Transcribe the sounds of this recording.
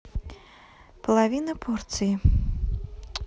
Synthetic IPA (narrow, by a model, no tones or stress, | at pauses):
pɐlˠavʲinɐpʰɔrt̪sɨji